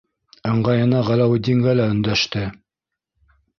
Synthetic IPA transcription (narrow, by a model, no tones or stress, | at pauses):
ɤ̆ɴɢɑjɤ̆nɑʁælæwd̪ʲiŋɡælæɵ̆nd̪æʃt̪ɘ